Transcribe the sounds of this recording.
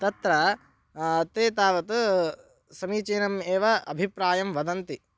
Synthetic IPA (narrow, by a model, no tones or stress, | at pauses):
t̪ɐt̪ɾɐ | t̪eːt̪aːʋɐt̪ | sɐmiːt͡ʃeːnɐmeːʋɐʔɐbʱipɾaːjɐmʋɐd̪ɐnt̪i